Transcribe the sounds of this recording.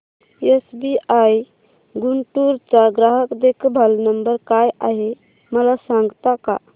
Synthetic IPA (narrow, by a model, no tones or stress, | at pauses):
esbiʔaj | ɡuɳʈuɾt͡saɡɾaɦəkd̪ekʰbʱəlnəmbəɾkajaɦe | məlasãŋɡt̪aka̰